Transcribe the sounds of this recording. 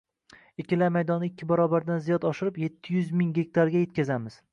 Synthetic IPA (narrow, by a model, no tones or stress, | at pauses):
ɪkʲʰːɪlaɾmajd̪ɒnːɪɪkʲːɪbaɾɒbaɾd̪anzijɒt̪ɒʃɪɾɪpje̞t̪ʰːɪjʊzmɪŋɡʲe̞k̚ʲt̪ʰaɾɡʲaje̞t̪̚ʲkʲazamɪz̥